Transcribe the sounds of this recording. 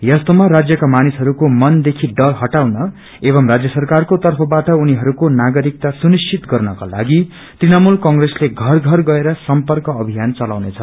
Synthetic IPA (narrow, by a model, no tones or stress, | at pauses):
jʌst̪omarad͡zjʌkamanisɦʌɾukomʌnd̪ekʰiɖʌrɦʌʈawnʌ | ebʌmrad͡zjʌsʌrkarkot̪ʌrpʰʌbaʈʌuniɦʌɾukonaɡʌɾik̚t̪asunist͡sʰit̪ɡʌrnʌka̰la̰ɡi | t̪rinamulkʌŋɡresleɡʱʌrɡʱʌrɡʌeɾʌsʌmpʌrkʌːbʱijant͡sʌlawnet͡sʰʌ